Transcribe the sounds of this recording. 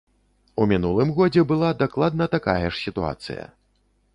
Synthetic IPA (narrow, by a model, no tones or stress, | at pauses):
umʲinulˠɨmɣɔd͡zʲɛbɨlˠad̪aklˠad̪̚nɐt̪akajɐʂsʲit̪ua̰t̪sɨ̰jɐ̰